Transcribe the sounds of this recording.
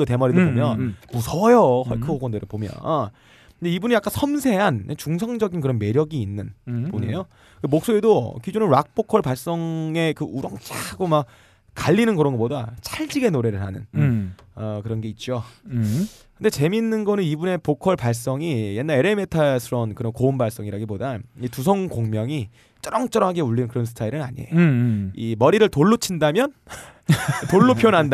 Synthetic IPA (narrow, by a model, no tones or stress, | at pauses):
ote̞mʌɾedopomjʌnmusʰʌjʌhʌkʰɯoɡʌndɯɾɯɭpomjʌ̰n | ɯndeibuniak͈ansʰʌmsʰe̞ɦant͡ɕuŋsʰʌŋd͡ʑʌɡinkɯɾʌnme̞ɾjʌɡiːnːɯnpuɲiḛjo | kɯemok̚s͈oedokid͡ʑonɯnɾwak̚p͈okʰʌɭpaɭs͈ʌŋe̞kɯuɾʌŋt͡ɕ͈aɡomak̚ | kaʎːinɯnkɯɾʌnɡʌp͈odat͡ɕʰaɭd͡ʑiɡe̞noɾe̞ɾɯɭhanɯ̰n | ʌkɯɾʌnɡe̞it̚t͡ɕ͈o | kɯnde̞t͡ɕe̞minːɯnɡʌnɯnibune̞pokʰʌɭpaɭs͈ʌŋije̞nːaɾe̞ɾe̞metʰasʰɯɾʌnkɯɾʌnkoombaɭs͈ʌŋiɾaɡipodaitusʰʌŋkoŋmjʌŋi | t͡ɕ͈ʌɾʌŋt͡ɕ͈ʌɾʌmɦaɡe̞uɭːinɯnkɯɾʌns̬ʰɯ̥tʰaiɾɯnaɲḭḛimʌɾiɾɯɭtoɭːot͡ɕʰindamjʌn | toɭːopʰjonɦanda